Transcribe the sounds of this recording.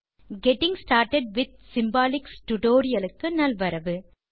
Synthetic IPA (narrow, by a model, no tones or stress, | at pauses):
ɡɛʈɪ̃ŋsʈaːɾʈɛɖ̚ʋɪd̪̚sɪmbaːlɪksʈʊʈoːɾɪjɐlɯkːɯnɐlʋɐɾɐʋɯ